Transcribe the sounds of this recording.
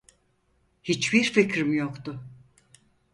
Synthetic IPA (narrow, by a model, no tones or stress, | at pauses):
hit͡ʃbiɾficʰɾimjokt̪ʊ